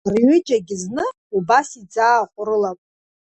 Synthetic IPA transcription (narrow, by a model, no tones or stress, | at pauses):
rɥʏd͡ʒaɡʲɪznɨ | ubasid͡zaːχʷʼʊɾɨlapʼ